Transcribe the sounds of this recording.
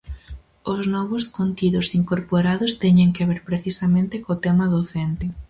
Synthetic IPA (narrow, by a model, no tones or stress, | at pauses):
oznɔβʊskont̪iðʊsiŋkoɾpoɾaðʊst̪ɛɲeŋkeβeɾpɾeθisamẽnt̪ekot̪ɛmaðoθent̪ɪ